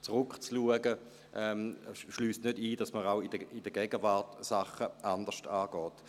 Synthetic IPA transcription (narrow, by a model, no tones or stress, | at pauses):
t͡sʁʊkt͡sluəɡə | ʔɛmʃlyːstnødiːdɑsməʁaʊidəid̥əɡ̥ɛɡəvaʁtsaχəʔand̥əʁʃtaːɡ̥ɔːt